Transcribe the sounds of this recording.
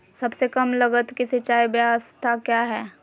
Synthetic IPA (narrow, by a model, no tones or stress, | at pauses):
sɐbsekɐmlɐɡət̪kisit͡ʃaːibjast̪ʰakjaːɦɛː